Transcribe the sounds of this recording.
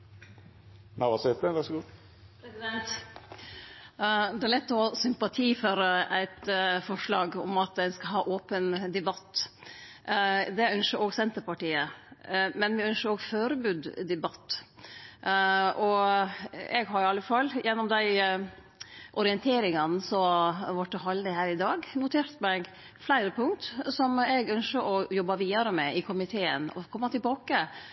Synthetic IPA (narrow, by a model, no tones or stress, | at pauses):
næʋɑsɛt̪əʋɑsɡuː | pʰɾɛsɪd̪ɛnt̪ | d̪ɛæɭɛt̪ːɔhɑːsʏmpɑt̪ʰiːføːɾəʔæɪt̪fɔʂlɑːɡɔmɑt̪d̪ɛnskɑɦɑːʔoːpənd̪ɛbɑt̪ː | d̪ɛœnʃəɾoːɡsɛnt̪əɾpɑʈiːə | mɛnʋɪœnʃəɾoːɡføːɾəbʉːd̪d̪ɛbɑt̪ː | ʔɔ | ɛ̰ɡɦɑɾɪɑlːəfɑlːjʔɛnːɔmd̪æɪ | ʔɔɾɪɛnt̪ʰeːɾɪŋɑnsɔʋɑʈːəɦɑld̪ɪhæːɾɪd̪ɑːɡnʊt̪ʰeːɾt̪mɛɡ | flæɪɾəpʰʊŋt̪sɔmɛɡœnʃəɾʔɔjɔbːɑʋiːɑɾəmɛʔɪkʰʊmɪt̪ʰeːə̰nɔ̰kʰɔmːɑt̪ʰɪlbɑːkə